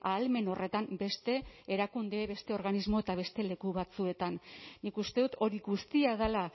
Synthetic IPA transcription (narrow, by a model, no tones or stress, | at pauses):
aːlme̞no̞re̞t̪ambe̞st̪e̞ːɾakund̪eːβe̞st̪e̞o̞ɾɣanizmo̞et̪aβ̞e̞st̪e̞le̞kuβat͡sue̞t̪anːikust̪e̞ðut̪o̞ɾiɣust̪iað̞ala